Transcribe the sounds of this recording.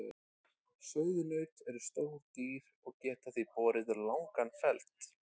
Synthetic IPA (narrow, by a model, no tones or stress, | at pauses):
sœːwðʏnœɥt̪ɛɾʏst̪owɾt̪iːɾ̥ɔɣcɛːt̪aθipɔːɾɪðʏɾlawŋkanfɛlt̪